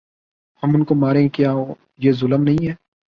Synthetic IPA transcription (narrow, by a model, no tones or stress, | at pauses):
hɐmʊnkomaːɾẽːkjaːɦoː | jeːzʊləmnɐɦĩɦɛː